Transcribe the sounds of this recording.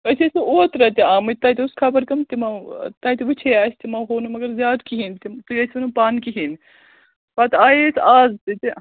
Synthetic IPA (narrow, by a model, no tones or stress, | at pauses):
ɐsʲesuoːt̪ɾɐt̪iaːmɐt̪ɐːjt̪ʲiuskʰɐbɐɾkɐmt̪imɐt̪ɐːt̪iʋut͡ʃʰeːaːsʲt̪imɐɦoːnumɐɡɐɾzʲjaːd̪kiɦint̪it̪ujɐsʲɐnupaːnkiɦin | pat̪aːjesaːzt̪it̪i